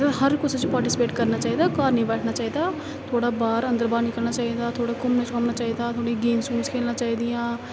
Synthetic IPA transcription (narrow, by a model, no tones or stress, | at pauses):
ahəɾkʊsʰət͡ʃpaːɾʈɪsɪ̥peːʈkəɾnaːt͡ʃaːiːd̪aːkaːɾnĩːbɛːʈʰnaːt͡ʃaːiːd̪aː | t̪ʰoːɽaːbaːɾə̃nd̪əɾbaːd̪nĩːkəɾnaːt͡ʃaːiːd̪aːt̪ʰoːɽaːkʊmnẽt͡ʃkəmnaːt͡ʃaːiːd̪aːt̪ʰoːɽiːɡeːnsũːnskʰeːlnaːt͡ʃaːiːd̪ɪjãː